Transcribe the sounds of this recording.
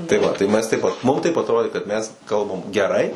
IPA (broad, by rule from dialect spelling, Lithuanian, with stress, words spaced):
tɐɪ ˈʋɐ tɐɪ ˈmʲɛs ˈtʲɛɪp ˈmʊm tɐɪp ɐtˈroːdʲeː kɐt mʲɛs ˈkɐlˠbɐm ɡʲɛˈrɐɪ